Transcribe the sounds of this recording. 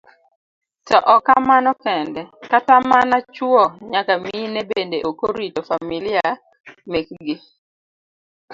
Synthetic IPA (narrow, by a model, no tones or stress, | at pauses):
tɔʔɔkamanɔkɛndɛkatamanat͡ʃwɔɲakaminebendeʔokoɾitɔfamilɪa | mek̚ɡɪ